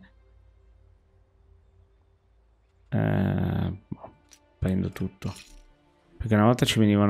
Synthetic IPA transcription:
ɛ̰ | pɛnd̪ot̪ut̪ːo | peɾk̟eunavɔlt̪at͡ʃivenivan

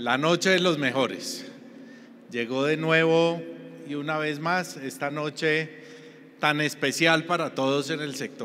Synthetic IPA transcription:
lano̞t͡ʃe̞elo̞zme̞xo̞ɾḛs | d͡ʒe̞ɣo̞ðe̞nwe̞βo̞iunaβe̞zmase̞st̪ano̞t͡ʃe̞ | t̪ane̞spe̞sjalpaɾat̪o̞ðo̞se̞ne̞lse̞k̚t̪o

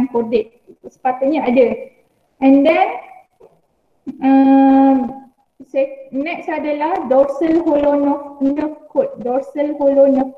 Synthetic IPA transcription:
npɔdɪk̚sə̥pat̪ʊʔ̚ɲaadə | ɛ̃ndɛ̃n | ə̃m | senɛk̚sadəlahdɔrsəlholonɔfnə̃fkɔt̪̚dɔrsəlholonə̃f

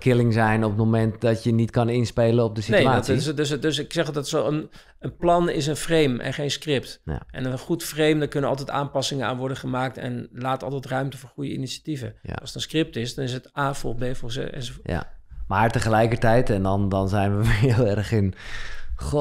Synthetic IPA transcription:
kʰɪlɪŋzɛjnɔpətmomɛntdɔtjənitkɑnɪnspejlənɔp̚dəsineadtsdøsdøsɪksɛχlˠdɔtɪ̥soən | ənplɑnɪ̰s̬ənfrejmʔɛ̰nχejnskrɪp̚tʔɛ̰nəχutfrejmdakɵnənɑlˠtɛta̰ːnpɑsɪŋəa̰ːnʋɔɹdəχəmaːk̚tɛ̰nlaːtɑ̰lˠtɛtrœɥmtəfʊːɹχujə̰ḭnisativə̰ɑlˠsətənskrɪp̚tɪsdɑnɪs̬ətaːfo̰lˠbejfosɛ̰ns | maːɹtəχəlɛjkəɹtɛjtɛndɔndɔnzɛjnʋəʋɪlˠɛrχɪn

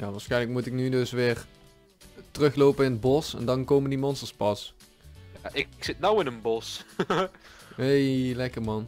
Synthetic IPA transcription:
jaːʋaːɹsxɛjnləkmutɪk̚nydɵsʋɪːr | tərɵxlowpənɪnəd̚bɔsɛ̰ndɑnkowməndimɔnstəɹspɑs | jaːʔɪksɪt̚nawɪnənbɔs | ɦejlɛkəɹmɑn

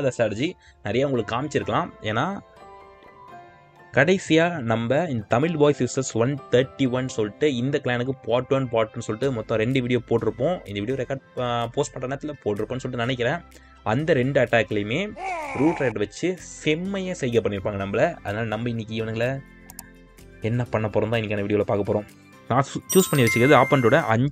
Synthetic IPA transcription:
ðɐsʈaːɾɐd͡ʒi | nɐɾɐjaːʊŋɡɐɭɯkːɯaːmɪt͡ʃːɪɾɯkːɐlãːeːnːaː | kɐɽɐɪsɪjaːnɐmbɐɪnd̪ɐt̪ɐmɪlʋaːjsɪsɐsʋɐnt̪ʰɐɾʈːiʋɐnːsɔlːɪʈːɯɪnd̪ɐkɐljaːnɯk̬ːɯpaːʈːɯʋɐnpaːʈːɯnːɯsɔlːɪʈːɯmɔt̪ːɔ̃ɾɛɳɖɯʋiːɽɪjoːpoːʈːɪɾɯpːõːɪnd̪ɐʋiːɪjoːɾɛkaːɖpoːsʈpɐɳːrɐɛɳːɐt̪ːɪlɐpoːʈːɪɾɯpːnːsɔlːɪʈːɯnɐnɛk̬ːɪɾẽː | ɐnd̪ɐɾɛɳɖɯɐʈːaːkːɐlɐjɯmeːɾuːʈɾɐʈʋɐt͡ʃːɯsɛmːɐjeːsɛjkːɐp̬ːɐɳːɪɾɯpːaːŋɡɐnɐmbɐlɐɐ̰ðɐnaːlɐnɐmbɐɪnːɪk̬ːɪʋɐnɡɐlɐ | ɛnːɐpːɐɳːɐpːɔːɾɔ̃nd̪ãːɪnːɪkːɐnɐʋiːɽɪoːlɐpaːkɐpːɔːɾõː | nãːt͡ʃuːspɐɳːɪʋɐt͡ʃːɯkɐɾɐðɯaːpːɐnʈoːɽɐʔɐɲ

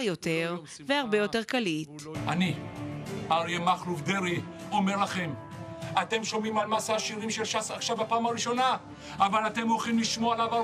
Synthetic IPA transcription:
jo̞te̞ʁ | veaʁbe̞jo̞te̞ʁkalitani | aʁiemaχluvd̪eʁi | o̞me̞ʁlaχe̞m | ate̞mʃomimalmasaʃiʁimʃelʃasaχʃavapaːmaʁiʃo̞na | avalate̞molχimliʃmoalava

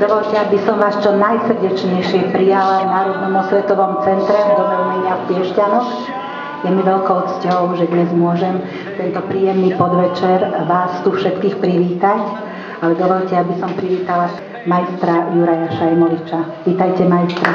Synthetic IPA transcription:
d̪ɔʋɔʎcɛabisɔmʋaːst͡ʃɔnajsɾ̩ɟɛt͡ʃɲɛjʃɪɛpɾijalajnaːɾɔd̪nɔmɔsʋɛt̪ɔʋɔmt͡sɛnt̪ɾɛd̪ɔʋɛlɲɛɲɪafpɪɛʃcanɔk | jɛmiʋɛlkɔʊt̪t͡scɔʊʒɛd̪ɲɛzmʊɔʒɛm | t̪ɛnt̪ɔpɾiːjɛmnipɔd̪ʋɛt͡ʃɛɾʋaːst̪ufʃɛt̪kiːxpɾiʋiːt̪ac | alɛd̪ɔʋɔʎcɛabisɔmpɾiʋiːt̪ala | majst̪ɾajuɾajaʃaɛmɔlit͡ʃaʋiːt̪ajcɛmajst̪ɾa

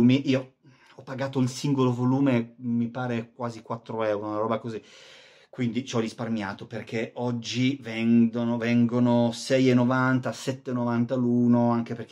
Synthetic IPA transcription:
miʔiːo | ɔpːaɡaːt̪oilsiŋɡolovoluːmemːipaːɾek̚waːzikwat̪ːɾoɛuɾonaɾɔːbakozi | kwind̪it͡ʃɔrisparmja̰ːt̪operkʰeɔd͡ʒːivɛŋd̪onovɛŋɡonosɛjenːovant̪asɛt̪ːenːovant̪aluːnoaŋk̟eperk

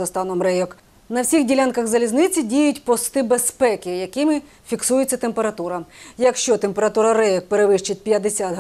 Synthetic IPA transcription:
ɐst̪ɑnɔmrɛjɔk | nɐwsʲiɣdʲilʲankɐɣzɐlʲiznɪt͡sʲidʲijʊtʲpɔst̪ɪbespɛkɪjɐkɪmɪ | fʲiksujɪt͡sʲːɐt̪empeɾɐt̪uɾɐjɐkʃt͡ʃɔt̪empeɾɐt̪uɾɐɾɛjɔk̚peɾeʋɪʃt͡ʃɪt̚ʲpʲjɐd̪esʲad̪ɦ

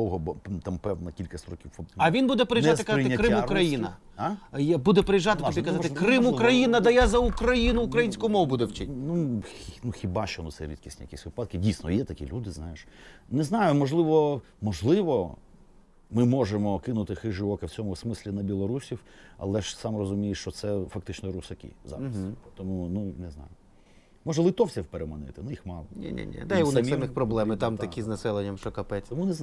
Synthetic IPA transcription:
ɔwɦɔbɔt̪ampɛwnɐkʲilʲkɐsʲt̪ɾɔkʲiwɔɐʋʲinbud̪ɛpɾɪjʒɪkɐztɪkɾɪmʊkɾɐjinɐ | jabud̪ɛpeɾɪjʒɑt̪ɪɔd̪ʲikɐzɑt̪ɪkɾɪmukɾɐjinɐd̪ɐjazɐukɾɐjinʊukɾɐjinʲsʲkʊmɔʋʊbud̪ɛwt͡ʃɪtnunuxʲɪbɑʃt͡ʃɔnutsɛ̰ɾʲid̪̚kʲisʲtʲijɐkʲisʲʋɪpɑd̪kɪdʲijsnɔ̰jɛt̪ɐkʲḭlʲud̪ɪznajeʃnɛznɑjʊmɔʒlˠɪʋɔ | mɔʒlˠɪʋɔ | mɪmɔʒemɔkɪnʊt̪ɪxɪʒɪʋɔkɪwt͡sʲɔmʊsmɪsʲlʲinɐbʲilˠɔɾusʲiw | ɐ̰lˠɛʃsɑmrɔzʊmʲijeʃt͡ʃɔt̪sɛfɐkt̪ɪt͡ʃnɔɾʊsɐkʲḭzɑ̰ɾɐst̪ɔmununeznɑ̰jʊ | mɔʒɛlˠɪt̪ɔwt͡sʲɐwpeɾemɐnɪ̰t̪ɪnʊjixmɑlˠɔnʲḭnʲḭnʲḭd̪ɛiunɛsʲɛmɪxpɾɔblˠɛmɪt̪ɑmt̪ɐkʲiznɐsɛlˠenʲːɐmʃt͡ʃɔkɐpɛt͡sʲɔmunɛz

